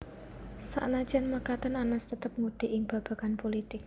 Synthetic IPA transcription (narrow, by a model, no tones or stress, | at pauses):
sa̰ʔnḁʒ̥anməkat̪ənanəst̪ət̪əp̚ŋud̪̥e̤ʔɪŋb̥ä̤b̥a̤kanpolit̪ɪk̚